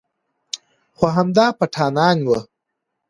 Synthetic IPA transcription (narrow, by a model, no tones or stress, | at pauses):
xoɦamd̪ɑːpaʈʰɑːnɑːnwə